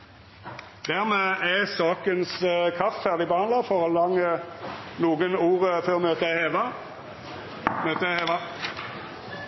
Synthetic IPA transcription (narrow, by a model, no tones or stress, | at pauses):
d̪̥æʁmeːæsɑːkənskʰɑft̪fæʁd̪ɪbəhɑnɑfɔʁɔlɑŋːənuːɡənuːʁəføʁmøːt̪əæheːʋɑ | møːt̪əæheːʋɑ